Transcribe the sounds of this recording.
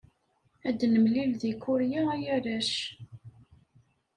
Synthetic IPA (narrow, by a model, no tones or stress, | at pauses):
æd̪ːnəmlilðikːʊɾjaæjæɾæʃ